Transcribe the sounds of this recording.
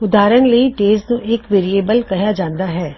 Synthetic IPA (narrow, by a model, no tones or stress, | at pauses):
ʊd̪aːɾənlɐiʈeːsnũʔɪkʋeːɾieːbəlkɐɦjad͡ʒãːnd̪aɦɛː